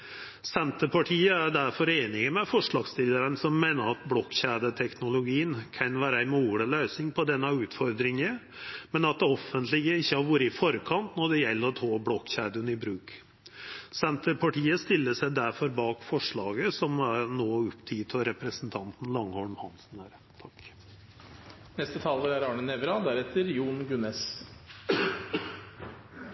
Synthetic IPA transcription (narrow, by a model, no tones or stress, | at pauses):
sɛnt̪əpʰɑʈʰiːəæɾɖ̪æɾfɔɾeːnɪɡəmɛfɔʂɭɑːɡst̪ɪld̪əɾənsɔmːeːnəɾɑt̪̚bɽɔkːçæːd̪ət̪ʰɛknʊlʊɡiːənkʰɑnʋæːɾəæɪmuːɽəlœːsnɪŋpʰɔd̪ɛnːɑʉːt̪fɔɾd̪ɾɪŋə | mɛnɑt̪̚d̪ɛɔfːənt̪lɪɡəɪçːəhɑɾʋɔɾəɪfɔɾkʰɑnt̪nɔɖ̪ɛjɛlːəɾɔt̪ʰɑːbɽɔkːçæːd̪ənɪbɾʉːk | sɛnt̪əɾpʰɑʈiːəst̪ɪlːəsæɪd̪æɾfɔɾbɑːkfɔʂɭɑːɡəsɔmæɾnoːʉpt̪ʰiːt̪ʰɔɾɛpɾəsənt̪ʰɑnt̪n̩lɑŋːhɔlmhɑnsn̩æːɾ | t̪ʰɑk | nɛst̪ət̪ʰɑːləɾæɾɑːɳənɛʋɾɑd̪æɾɛt̪ʰːəɾjuːɳɡʉnɛs